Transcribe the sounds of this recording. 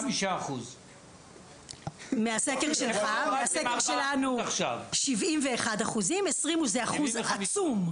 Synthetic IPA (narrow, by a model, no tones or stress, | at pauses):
miʃaːχuz | measekeʁʃelχameasekeʁʃelanuʃavʃivimveːχadaχuzimesʁimuzeaχuzat͡sum